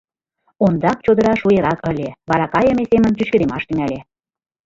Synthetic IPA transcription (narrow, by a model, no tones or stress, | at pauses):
ond̪ɑk̚t͡ɕod̪ə̆ɾɑʃujeɾɑkə̆lʲeβɑɾɑkɑjə̆mesemə̆nt͡ɕyt͡ɕkə̆d̪emɑʃt̪yŋælʲe